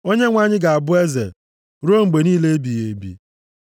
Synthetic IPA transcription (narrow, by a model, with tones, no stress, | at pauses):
o˦ɲe˦ŋʷa˦ɲɪ˦ɡa˨a˨bʊ˦e˦zḛ˨ | ɾu˦o˦ŋ͡m̩˨ɡ͡be˨niː˦le˦e˦bi˨je˨˦bḭ˦